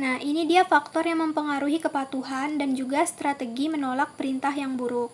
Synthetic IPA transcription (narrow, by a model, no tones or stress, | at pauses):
nahinidiafak̚t̪ɔrjaŋməmpəŋaɾuɦikəpat̪uɦandand͡ʒuɡast̪ɾat̪əɡimənolak̚pəɾint̪aɦjaŋbuɾʊk̚